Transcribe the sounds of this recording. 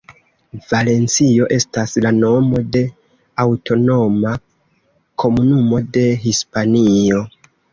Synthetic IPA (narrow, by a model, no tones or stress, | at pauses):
vale̞nt͡sio̞ʔe̞staslano̞mo̞de̞ | awtʰo̞no̞ma | kʰo̞munumo̞de̞ɦispanio̞